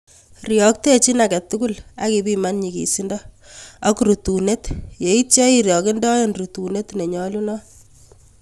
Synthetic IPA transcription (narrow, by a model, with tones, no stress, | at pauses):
rjɔ˨k̚te˦t͡ʃi˦na˨kɛ˨t̪ːu˦ku˦la˦ki˨bi˦ma˦nɲi˨kḭ˨si˦ndɔ˦ | a˦kuɾu˨tu˨ne˦tje˨˦i˦tt͡ʃa˦iɾjɔ˨kɪ˦ndɔ˦jenru˨tu˨ne˦tne˨ɲɔ˦lu˦nɔ˦